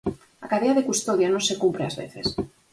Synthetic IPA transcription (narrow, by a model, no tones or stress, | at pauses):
akaðeaðekust̪oðjanõnsekumpɾeazβḛθes